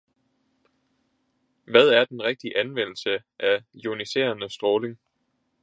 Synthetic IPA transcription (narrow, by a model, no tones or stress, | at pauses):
ʋæð̞ˠæɐd̥enʁeɡ̥̚d̥iʔænʋen̰l̩sə | ʔæjonise̝̰ːɐnəsd̥ʁɔːle̝ŋ